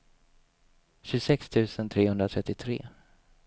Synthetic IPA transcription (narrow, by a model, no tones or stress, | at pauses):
ɕɵsɛkst̪ʰʉ̟ːsənt̪ʰɾeːhɵnd̪ɾat̪ʰɾɛt̪ːɪt̪ʰɾḛː